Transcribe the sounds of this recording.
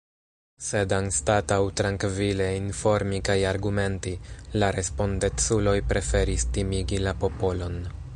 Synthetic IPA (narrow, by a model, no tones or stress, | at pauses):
se̞danstatawtɾaŋkvile̞info̞ɾmikajaɾɡume̞ntilaɾe̞spo̞ndet͡sulo̞jpɾʔe̞fe̞ɾistimiɡilapo̞po̞lo̞n